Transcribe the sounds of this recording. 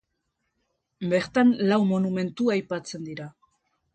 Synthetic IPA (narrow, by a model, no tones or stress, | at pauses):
be̞ɾt̪anlawmo̞nume̞nt̪uajpat͡se̞nd̪iɾa